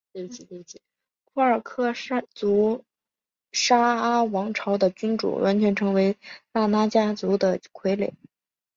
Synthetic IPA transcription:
e˥˩i˧˩˧i˧˩ | kʰu˥˩ə˞˨˩kʰɤ˥˩˥t͡su˧˥ | ʂa˥a˥wɑ˧˥ŋʈ͡ʂʰɑ˧˥ʊd̪ə˧t͡ɕy˥nʈ͡ʂṵ˨˩wʔa̰˧˥nt͡ɕʰɥɛ˧˥nʈ͡ʂʰɤ˧˥ŋwe˧˥ɪla˥˩na˥t͡ɕja˥t͡su˧˥d̪ə˧kʰwe˧˥ɪlḛ˨˩˦ɪ

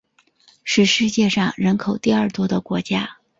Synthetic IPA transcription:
ʂɻ̩˥˧ʂɻ̩˥˧t͡ɕjɛ˥˧ʂɑ˥˩ŋɻə˧˥nkʰo˨˩ʊt̪i˥˧ɐ˞˥˩t̪wɔ˥d̪ə˨kwɔ˧˥t͡ɕja˥

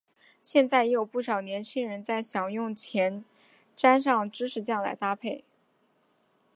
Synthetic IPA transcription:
ɕjɛ˥˧nt͡sa˥˩ɪjɛ˧˥jo˨˩ʊpu˥˩ʂɑ˨˩ʊnjɛ˧˥nt͡ɕʰi˥ŋɻə˧˥nt͡sa˥˩ɪɕjɑ˨˩ŋjʊ˥˩ŋt͡ɕʰjɛ˧˥n | ʈ͡ʂa˥nʂɑ˥˩ŋʈ͡ʂɻ̩˥ʈ͡ʂʰɻ̩˧˥t͡ɕjɑ˥˩ŋla̰˧˥ɪt̪a˥pʰe˥˩ɪ

